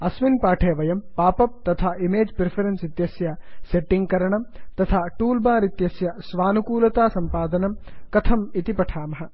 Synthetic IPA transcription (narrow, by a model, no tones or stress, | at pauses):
ɐsʋinpaːʈʰeːʋɐjɐmpaːpɐp̚t̪ɐt̪ʰaːʔimeːd͡ʒpɾepʰɐɾensit̪jɐsjɐseʈːiŋɡkɐɾɐɳɐmt̪ɐt̪ʰaːʈuːlbaːɾit̪jɐsjɐsʋaːnukuːlɐt̪aːsɐmpaːd̪ɐnɐmkɐt̪ʰɐmit̪ipɐʈʰaːmɐɦɐ̆